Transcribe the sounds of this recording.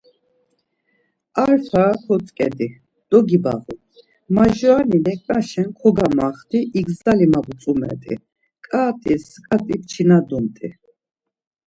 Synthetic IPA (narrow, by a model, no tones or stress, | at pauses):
aɾfʰakʰɔt͡sʼkʼɛ̰d̪i | d̪̥ɔɡiba̰ʁu | maʒɔaninɛk̪ʼaʃɛnkʰɔɡamaχt̪ʰiʔiɡzalimabut͡sʼumɛ̰t̪ʼḭ | kʼaːt̪ʼiskʼat̪ʼipt͡ʃʰinad̪unt̪ʼi